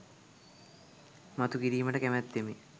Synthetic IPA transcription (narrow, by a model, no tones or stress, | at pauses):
mat̪ukiɾiːməʈəkemæt̪ːemi